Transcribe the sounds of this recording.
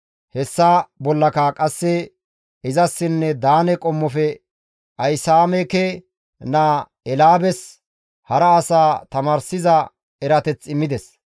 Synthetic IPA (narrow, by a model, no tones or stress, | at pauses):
hɛsːaːbɔlːɐkakʼɐsːɛ | ɪzɐsːɪnːɛd̪aːnɛkʼɔmːɔfɛ | ʔɐjsaːmɛkɛ | na | ɛlaːbɛs | hɐɾɐːsaːt̪ɐmaːɾsɪzɐ | ɛɾɐt̪ɛt͡sːɪmːɪd̪ɛs